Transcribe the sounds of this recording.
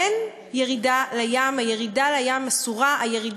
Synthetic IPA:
en | je̞ʁidalajaːmaje̞ʁidalajamasuʁaʔaje̞ʁid

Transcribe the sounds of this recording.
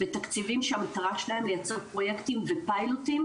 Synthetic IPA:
vet̪akt͡sivimʃeamat̪aʁaʃelahe̞mlejat͡seʁpʁo̞jekt̪imvepailut̪im

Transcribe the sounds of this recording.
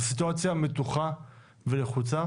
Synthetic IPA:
sit̪uat͡sjame̞t̪uχa | veleχut͡sa

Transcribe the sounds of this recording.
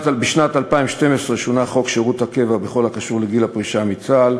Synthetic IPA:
t̪abeʃnat̪alpaimʃt̪e̞mesʁeʃonaχo̞kʃeʁut̪hake̞vabeχo̞lakaʃuʁleɡilapʁiʃamit͡sal

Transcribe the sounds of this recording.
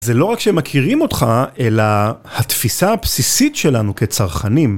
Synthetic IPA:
zelo̞ʁakʃemakʰiʁimo̞t̪χaʔe̞lahat̪fisaapsisitʃe̞lanuke̞t͡saʁχanim

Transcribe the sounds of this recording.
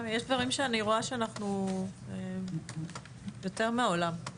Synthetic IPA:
jeʃd̪vaʁimʃeaniʁo̞aʃeanaχnue | jo̞te̞ʁmeaolam

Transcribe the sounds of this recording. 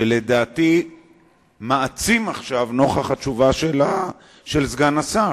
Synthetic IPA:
ele̞d̪aːt̪i | maːt͡simaχʃavno̞χaχat͡ʃuvaʃela | ʃelzɡanasa

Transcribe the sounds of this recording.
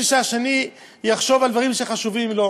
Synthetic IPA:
iʃaʃeni | jaχʃo̞vald̪vaʁimʃeχaʃuvimlo

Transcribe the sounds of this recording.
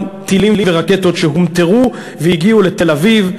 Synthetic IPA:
t̪ilimliveʁaket̪o̞t̪ʃeɦumt̪eʁu | vejiɡiule̞t̪e̞laviv

